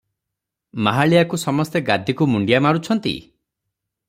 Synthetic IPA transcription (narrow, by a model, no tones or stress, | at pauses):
maɦaɭijakusɔmɔst̪eɡad̪ʱikumuɳɖijamaɾut͡ʃʰɔnt̪ḭ